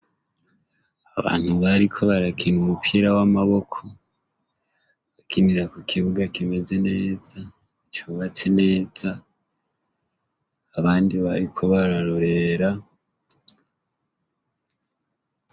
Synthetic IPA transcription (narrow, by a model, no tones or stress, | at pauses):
aβa̰ːn̥huβaɾikʰo̞βaɾakinumupʰiɾawamaβo̞kʰo̞ | βakʰiniɾakukʰiβuɡakime̞ze̞ne̞ːza | it͡ʃoβat͡se̞ne̞ːza | βaːndiβaɾikʰo̞βaɾaɾoɾe̞ɾa